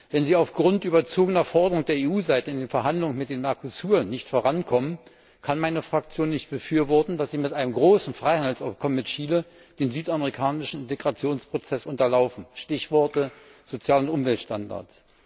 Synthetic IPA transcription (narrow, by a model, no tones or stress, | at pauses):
vɛnziːaʊfɡ̥ʁʊntʔyːbɐt͡soːɡənɐfɔɐdəʁʊŋd̥eːɐeːuːzaɪtəɪndeːnfɛɐɦandlʊŋənmɪt̚d̥eːnmɛɐkʰosyːʁənːɪçtfoːʁankʰɔmən | kʰanmaɪnəfʁ̥ak̚t͡sjoːnːɪçt̚b̥əfyːɐvɔɐtn̩dasz̥iːmɪtʔaɪnəmɡʁoːsn̩fʁ̥aɪhandl̩saʊpkʰɔməmɪtʃiːlə | d̥eːnzyːtaməʁikʰaːnɪʃn̩ɪnteɡʁat͡sjoːnspʁ̥ot͡sɛsʔʊntɐlaʊfn̩ʃtɪçv̥ɔɐtəz̥ot͡sjaːlʊntʔʊmvɛltʃtanda̰ɐts